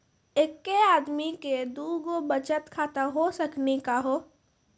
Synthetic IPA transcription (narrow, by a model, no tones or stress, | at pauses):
ekːeaːd̪miked̪uːɡobɐt͡ʃət̪kʰaːt̪aɦosɐknikaɦoː